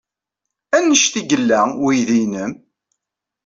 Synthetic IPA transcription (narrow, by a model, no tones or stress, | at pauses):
ænːəʃθiɡəlːæwijðinəm